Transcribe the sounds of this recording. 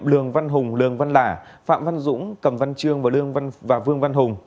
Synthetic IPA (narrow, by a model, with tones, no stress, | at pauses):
mlɨ˧˩əŋva˧nɦʊ˨˩ŋ͡mlɨ˨˩əŋva˧nlaː˧˩fa̰ː˧˨mva˧nzʊ̰˧˥ŋ͡mkə˨˩mva˧nt͡ɕɨ˧əŋvaː˨˩lɨ˧əŋva˧nvaː˨˩vɨ˧əŋva˧nɦʊ˨˩ŋ͡m